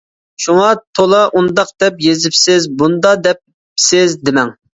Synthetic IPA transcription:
ʃuŋɑt̪ʰolˠɑʔund̪ɑq̚d̪ɛpjezɪpsɪzbund̪ɑd̪ɛp̚ | sɪzd̪ɪmɛŋ

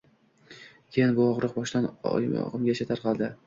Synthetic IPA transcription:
kʲʰejɪnbʊɒʁɾʊq̚bɒʃd̪an̰ɒ̰ʁɨmɡʲaʃat̪ʰaɾqʰɑlˠd̪ɪ

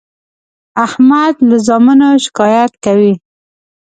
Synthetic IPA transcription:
ahmad̪ləzɑmənoʃɪ̥kɑjat̪̚kawi

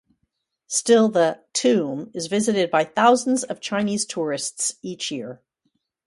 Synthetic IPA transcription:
stɪlˠðətʰʉ̃mɨzvɪzɨɾɨd̚baɪθaʊzn̩dzʌv̥t͡ʃʰãɪ̃niz̥tʰʊɹɨstsit͡ʃjɪɹ

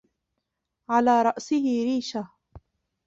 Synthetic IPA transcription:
ʕalaːɾˤɑʔsɪhɪɾiːʃa

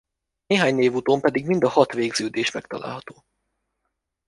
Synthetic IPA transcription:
neːɦaːɲneːvut̪oːmpɛd̪iɡmind̪ɒhɒt̪ʋeːɡz̥øːd̪eːʃmɛkt̪ɒla̰ːlɦɒt̪o̥ː

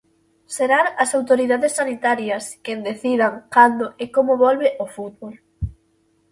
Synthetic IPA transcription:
seɾaɾɐsawt̪oɾiðaðesːanit̪aɾjɐskend̪eθiðaŋkand̪oʔekomoβɔlβeʔofut̪̚βol

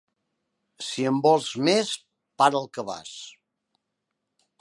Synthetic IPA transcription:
siəmbɔlˠzmes | paɾəlˠkəβa̰s

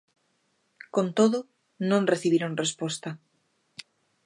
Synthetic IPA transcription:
kont̪oðʊ | nõnreθiβiɾõŋrespost̪a

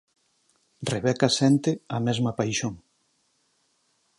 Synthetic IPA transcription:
reβɛkasɛnt̪eɐmɛzmɐpajʃoŋ

